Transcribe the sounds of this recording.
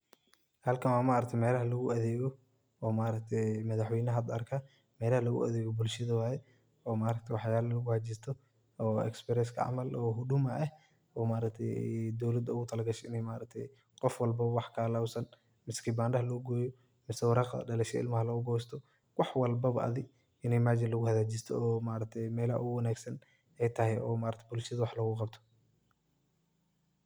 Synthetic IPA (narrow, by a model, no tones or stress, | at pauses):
hɐlkʰɐwamaʔɾɐk̚t̪ʰɛjmɛːlɐɦɐlɐɣʊɐðɛːɣɔ | ɔːmaːɾɐk̚t̪ʰɛjmɐðɑħwɛjnɐɦɐd̪ɐrkʰa | mɛːlɐhɐlɐɣʊ̰ʔɐ̰ðɛːɣɔbʊlʃɐðɐwaːjɛ | ɔːmaːɾɐk̚t̪ʰɛwɑħjaːlɐlɐɣʊhat͡ʃɪst̪ʰɔ | ɔːɛ̰kspɛɾɛskʰɐ̰ʕɑ̰mɐlʔɔːɦʊɖʊmɐʔɛh | ɔːmaːɾɐk̚t̪ʰɛjd̪ɔwlɐd̪ɐʊɣʊt̪ʰɐlɐɡɐʃɛɪnɛjmaːɾɐk̚t̪ʰɛ̰j | qɔfwɑlbɐwɑħkʰaːlawsɐn | mɪskʰibaːndɐɦɐlɔɡɔːjɔ | mɪsɛwɑɾɑqɐ̰ɖɐlɛʃɐ̰ɪ̰lmɐɦɐlɐɣʊɡɔːst̪ʰɔ | wɑħwɑlbɐβɐʔɐ̰ðɪɡ | ɪnɛmaːd͡ʒɪnlɐɣʊhɐðaːd͡ʒɪst̪ʰɔɔːmaːɾɐk̚t̪ʰɛjmɛːlɐʔwɐnaːɡsɐn | ɛjt̪ʰɐɦɛjɔːmaːɾɐkt̪ʰɛbʊlʃɐðɐwɑħlɐɣʊqɑbt̪ʰɔ̥